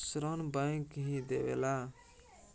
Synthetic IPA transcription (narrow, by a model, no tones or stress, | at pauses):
sɾonbãĩkɦĩd̪eʋḛːlaː